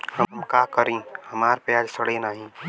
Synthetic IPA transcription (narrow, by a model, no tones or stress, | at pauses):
həmkaːkəɾẽːhɐmaːɾpɪaːd͡ʒsəɽenaːɦĩː